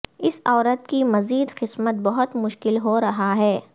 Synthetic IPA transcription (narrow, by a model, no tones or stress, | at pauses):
ɪsɔːɾət̪kimɐziːd̪qɪsmət̪̚bɐɦʊt̪mʊʃkɪlɦoɾɐɦaɦɛː